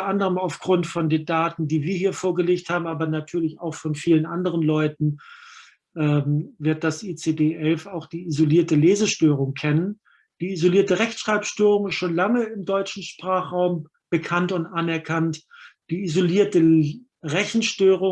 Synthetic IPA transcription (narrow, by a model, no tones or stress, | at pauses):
ɐʔandəʁəmaʊfɡ̥ʁʊntfɔndeːɐdaːtn̩diːviːɐɦiːɐfoːɐɡəleːçthaːbm̩ʔaːbɐnatʰyːɐlɪçaʊxfɔnfiːlənʔandəʁənlɔʏtn̩ | ʔɛːmvɪɐt̚d̥asʔiːt͡sedeːʔɛlfaʊxd̥iːizoliːɐtəleːzəʃtøːʁ̞ʊŋkʰɛnən | d̥iːizoliːɐtəʁɛçtʃʁ̥aɪpʃtøːʁʊŋɪstʃoːnlaŋəɪmdɔʏt͡ʃn̩ʃpʁ̥aːχʁ̥aʊm | b̥əkʰantʊntʔanɛɐkʰantd̥iːizoliːɐtə | ʁɛçn̩ʃtøːʁʊ